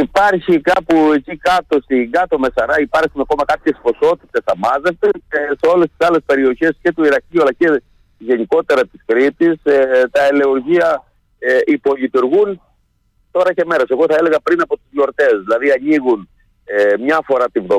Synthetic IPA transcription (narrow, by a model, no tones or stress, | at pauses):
ipɐɾçikɐpue̞cikɐt̪o̞st̪iŋɡɐt̪o̞me̞sɐɾɐipɐɾsunɐko̞mɐkɐpçe̞spo̞so̞t̪it̪e̞sɐmɐzest̪eeseo̞le̞st̪isɐle̞spe̞ɾio̞çe̞sce̞t̪oiɾɐciuɐlɐce̞ | ʝe̞niko̞t̪e̞ɾɐt̪iskɾit̪ist̪ɐele̞oɾʝiɐ | ipo̞lit̪uɾɣun | t̪o̞ɾɐce̞me̞ɾose̞ɣo̞θɐele̞ɣɐpɾinɐpo̞t̪uzʝo̞ɾt̪e̞zðilɐðiɐɲiɣun | emɲɐfo̞ɾɐt̪ivðo